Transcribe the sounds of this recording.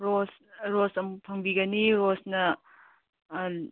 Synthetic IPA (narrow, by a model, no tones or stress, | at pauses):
ɾos | ɾosɐmpʰɐŋbiɡɐniɾosnɐ